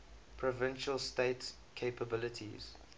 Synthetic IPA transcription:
pʰɹɔvɪ̃nʃəlsteɪt | kʰeɪpəbɪlətʰḭz̥

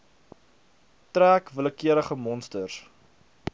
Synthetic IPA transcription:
tɾæːkvələkiəɾəχəmɔnstər

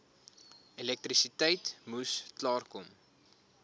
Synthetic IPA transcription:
ilɛk̚trisitəjtmusklɑːrkɔm

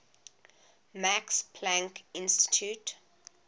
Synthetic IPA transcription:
makspʰlãŋkɪ̃nsti̥tʰjut

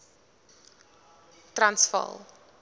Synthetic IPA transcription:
trɐnsfɐ̰lˠ

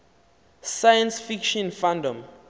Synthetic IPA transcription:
sajãnsfikʃɔ̃nfãndɔ̃m

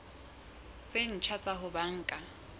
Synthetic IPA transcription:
t͡sʼen̩t͡ʃʰat͡sʼaɦʊbaŋ̩ːkʼa

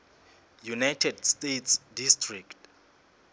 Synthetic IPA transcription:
junajtʰɛdstetʰsdistrikt

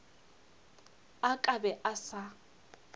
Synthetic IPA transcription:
akʼabɛʔasa

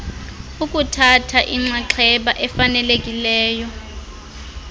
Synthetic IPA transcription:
ukʼutʰatʰaʔiŋ͡ǀaǁʰɛɓaʔɛfanɛlekʼilɛːjɔ

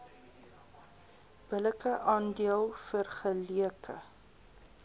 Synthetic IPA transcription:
b̥ələkəʔɑːndiəlˠfərχəliəkʰə̰

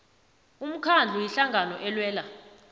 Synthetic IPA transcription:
um̩kʰand͡ɮʱujiɬaŋɡʱanɔʔɛlwɛːla

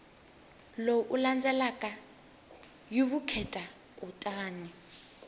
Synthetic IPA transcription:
loʔuland͡zɛlakʼa | juβukʰɛtʼa | kʼutʼaːnɛ

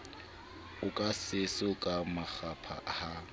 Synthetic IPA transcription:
ʊkʼasɪsʊkʼamak͡xapʰa̰ha

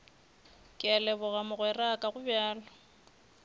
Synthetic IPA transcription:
kʼɪalɛbʊɣamʊɣwɛrakʼaɣʊbjaːlɔ

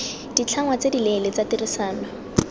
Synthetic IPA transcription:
d̥it͡ɬʰaŋwat͡sedilɛlet͡satirɪsaːnɔ

